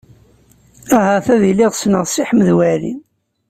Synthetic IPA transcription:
æɦæθæðiliʁsnəʁsiħəmðwæɾḭn

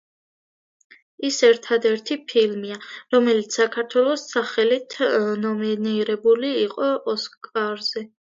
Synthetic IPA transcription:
isɛɾt̪ʰad̪ɛɾt̪ʰipʰilmiaɾɔmɛlit̪ssakʰaɾt̪ʰwɛlˠɔsaχɛlit̪ʰnɔminiɾɛbuliːqʼɔʔɔskʼaɾzɛ

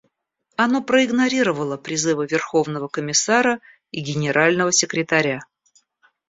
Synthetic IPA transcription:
ɐno̞pɾəɪɡnɐɾʲiɾəvəlˠəpɾʲɪzɨvəvʲɪrxo̞vnəvəkəmʲɪsaɾə | iɡʲɪnʲɪɾʔalʲnəvəsʲɪkɾʲɪt̪ɐɾʲa

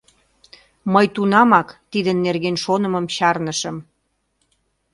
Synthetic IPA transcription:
məjt̪unɑmɑkt̪id̪ənːerɣenʃonə̆məmɕɑrnəʃəm

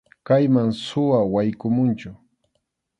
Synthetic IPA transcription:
kajmaŋsʊwawajkʊmʊnt͡ʃʊ

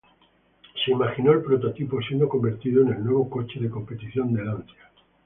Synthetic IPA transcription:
se̞imaxino̞elpɾot̪ot̪ipo̞s̬je̞nd̪o̞ko̞mbe̞ɾt̪iðoene̞lnwe̞β̞o̞ko̞t͡ʃe̞ðeko̞mpe̞t̪iθjo̞nd̪e̞lant̪ja

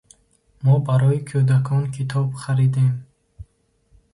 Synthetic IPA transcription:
mɔbaɾɔikʰud̪akʰɔnkʰit̪ʰɔbχaɾid̪em

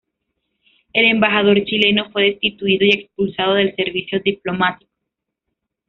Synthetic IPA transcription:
e̞le̞mbaxað̞o̞ɾt͡ʃile̞no̞fwe̞ðe̞st̪it̪uiðo̞ie̞kspulsað̞oð̞e̞lse̞ɾβisjo̞d̪iplo̞mat̪i̥ko

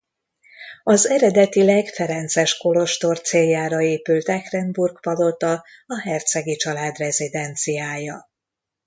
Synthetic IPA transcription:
ɒzɛɾɛd̪ɛt̪ilɛɡfɛɾɛnt̪sɛʃko̞lo̞ʃt̪o̞rt̪seːljːaːɾɒeːpylt̪ɛkrɛnburɡpɒd̪o̞t̪ɒɒɦɛrt̪sɛɡit͡ʃɒlaːd̪rɛzid̪ɛnt̪sijaːjɒ

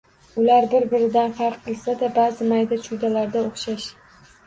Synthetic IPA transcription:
ʊlaɾbɪɾbɪɾɪd̪anfɑɾqʰːɨlˠsad̪abaːzɪmajd̪at͡ʃʰʊd̪alaɾd̪aoχʃaʃ

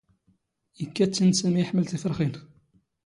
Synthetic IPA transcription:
jəkːæt͡sːinsæmijəħməlθifɾˤχin

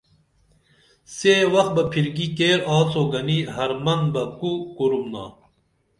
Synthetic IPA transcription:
seːwɐx̚bɐpʰiɾɡikeːɾɑːt͡soːɡɐniɦɐɾmɐnbɐkukuɾumna̰ː

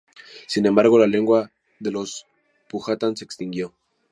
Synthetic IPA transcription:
sinembaɾɣo̞lale̞ŋɡwa | ðelo̞s | puxat̪ansekst̪iŋɡjo̞

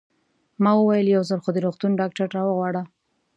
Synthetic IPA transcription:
mɑwəwajəljawzəlxod̪əɾoxt̪unɖɑk̚ʈaɾɾɑwəɣwɑɽa

